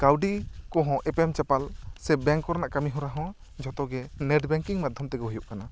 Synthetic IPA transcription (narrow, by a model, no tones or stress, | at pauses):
kawɖikɔɦɔ̃ʔɛpɛmt͡ʃapalsɛbɛŋkɔɾnaʔkamiɦɔ̃ɾaɦɔ̃ | d͡ʒʱɔt̪ɔɡɛnɛɖbɛŋkiŋmad̪ʱɔmt̪ɛɡɔɦujuʔkana